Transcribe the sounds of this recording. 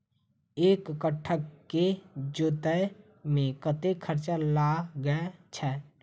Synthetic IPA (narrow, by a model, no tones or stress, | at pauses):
eːkːəʈʰːəkkːed͡ʒoːt̪ə | mẽkət̪ekʰəɾt͡ʃəlaɡəɛt͡ʃʰɛː